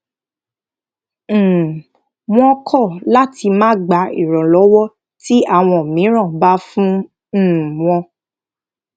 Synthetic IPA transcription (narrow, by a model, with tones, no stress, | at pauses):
w̃ɔ̃˧˦kʰɔ˦˨la˦ti˧mãː˦ɡ͡ba˨˧˦ḭ˨ɾɔ̃˨lɔ˨˦wɔ˦ | ti˦a˦˨w̃ɔ̃˧˨mĩ˨˦ɾ̃ã˦˨ba˦fũ˦˨ | w̃ɔ̃˧